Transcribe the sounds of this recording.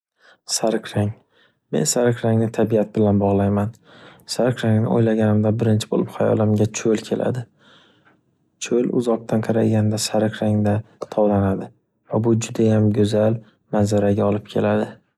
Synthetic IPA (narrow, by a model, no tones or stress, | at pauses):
saɾkʰɾaŋ | me̞̰nsaɾɪqɾaŋnɪt̪ʰabijat̪̚bɪlanbɒʁlˠajman | saɾqɾaŋnɪ̰o̰jlaɡʲanɪmd̪abɪɾɪnt͡ʃʰɪ̥bo̰lɪpχajɒ̰lˠɪmɡʲat͡ʃʰolkʲʰe̞lʔa̰d̪ɪ | t͡ʃʰolʊ̰zɒq̚t̪ʰanqʰɑɾajɡʲand̪asaɾɪqɾaŋd̪at̪ʰɒwlanad̪ɪ | vabʊd͡ʒʊd̪ajamɡʲɵzal | manzaɾaɡʲaɒlˠɪp̚kʲʰe̞lad̪ɪ